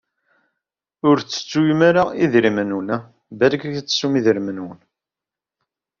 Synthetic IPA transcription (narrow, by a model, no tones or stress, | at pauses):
ʊɾt͡sːə̥t͡sːujmaɾaʁiðɾimənun | bæɾɡæçt͡sːə̥sumiðəɾmənwən